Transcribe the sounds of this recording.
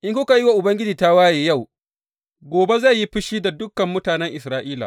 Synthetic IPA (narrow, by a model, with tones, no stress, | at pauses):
ʔɪ˦ŋkʷʊ˦ka˨ji˦wa˨ʔʊ˨bɐ˦ŋɡʲɪ˦d͡ʒiː˨ta˦waː˦jeː˨ja˦˨w | ɡʷoː˨be˦za˦˨ji˦ɸɪ˦ʃiː˦da˨dʊ˦kːɐ˨mːʊ˦taː˨nɛ˦ŋʔɪ˨sɾaː˦ʔiː˦la̰˨